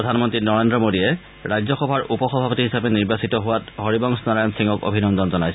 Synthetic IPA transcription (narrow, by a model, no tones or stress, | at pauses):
ɔdʱanmɔntɹinɔɹendɹɔmodiɛ | ɹajzɔxɔbʱaɹupɔxɔbʱapotiɦisabɛniɹbasitɔɦʊwatɦoɹibɔŋsnɔɹajɔnsiŋɡɔko̰bʱinɔndɔnzɔnajs